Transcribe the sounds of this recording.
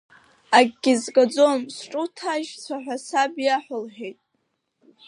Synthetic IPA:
aɡʲɡʲizɡʼad͡zo̞msʈ͡ʂʼutʰaʒsaħʷᶣasabjaħʷᶣʊlħᶣejtʼ

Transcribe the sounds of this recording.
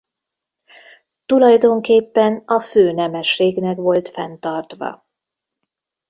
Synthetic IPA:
t̪ulɒjd̪o̞ŋkeːpːɛnɒføːnɛmɛʃːeːɡnɛkʋo̞lt̪fɛnt̪ɒrt̪ʋɒ̰

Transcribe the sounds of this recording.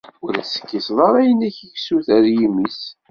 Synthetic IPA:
ʊɾæsə̥kːisðˤɑɾˤæjənæçəçsuθæɾjimis

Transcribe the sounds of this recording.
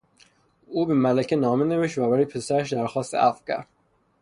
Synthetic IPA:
uːbemælæcʰenɒːmeneviʃt̪væbæɾijpʰesæɾæʃd̪æɾxɒːst̪ḛʔæfcæ̰ɾ

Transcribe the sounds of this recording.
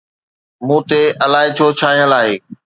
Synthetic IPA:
mũːt̪eʔɐlaːɦet͡ɕʰoːt͡ɕʰaːɦijəlaːɦeː

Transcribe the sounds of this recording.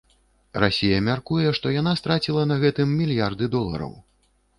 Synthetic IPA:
rasʲijɐmʲarkujɛʂt̪ɔjanast̪ɾat͡sʲilˠɐnɐɣɛt̪ɨmːʲilʲjard̪ɨd̪ɔlˠɐ̰ɾɐ̰w

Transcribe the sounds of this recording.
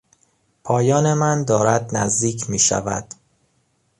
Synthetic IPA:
pʰɒːjɒːne̞mænd̪ɒːɾæd̪næzd̪iːcʰmiːʃæ̰væ̰d̪̥

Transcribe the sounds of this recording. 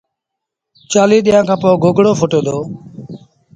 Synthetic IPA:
t͡ʃaːliːɗ̪ijãːkʰãːpoːɡoɡɽoːfʰʊʈeːd̪oː

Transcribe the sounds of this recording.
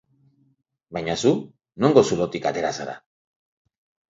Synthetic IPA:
bajɲasu | no̞ŋɡo̞sulo̞t̪ikat̪e̞ɾasaɾa̰

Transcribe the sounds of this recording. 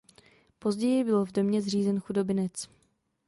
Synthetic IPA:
po̞zɟɛjɪbɪlvdo̞mɲɛzriːzɛnxudo̞bɪnɛt͡s

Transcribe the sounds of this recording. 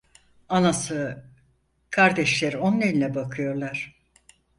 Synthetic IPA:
anasɯ | kʰaɾd̪ɛʃlʲeɾionːʲeɾinʲɛbakʰɯjo̞ɾlˠaɾ̥

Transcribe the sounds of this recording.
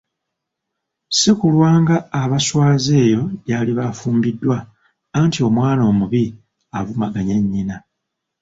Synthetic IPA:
sikulwaːŋɡaːβaswaːze̞ːjo̞βaːliβafuːmbidːwaː | ntʰio̞mwaːno̞ːmuβi | aβumaɡaɲeɲːina

